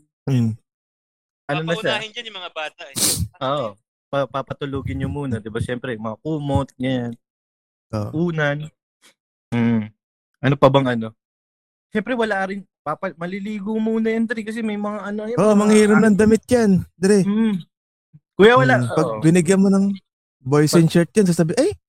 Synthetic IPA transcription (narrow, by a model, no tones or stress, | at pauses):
m̩ | ʔɐnonɐʃahɪnd͡ʒɐnjʊmɐŋabaːt̪ɐʔʔoːʔo | pɐpapɐt̪ʊluːɡɪnɲomuːnɐd̪ɪbaʃɛmpɾɛmɐɐkuːmot̪̚ɲɐjan | ʔo̰ʔʔuːnɐn | ʔɐnopɐbɐŋʔɐno̞ | ʃɛmpɾɛwɐlaʔɾɪn | papɐmɐliliːɡomuːnɐjɐnd̪ɛɾɛkɐs̬ɛmɐjmɐŋaʔɐnoɐjʔoʔmɐŋhiːɾɐmnɐŋd̪ɐmɪt̪̚ɲand̪ɛɾɛm̩ | kuːjawɐlapɐɡbɪnɪɡjɐmːonɐŋ | bojsɪnt͡ʃɛɹt̪̚ɲɐns̬asɐbiʔaj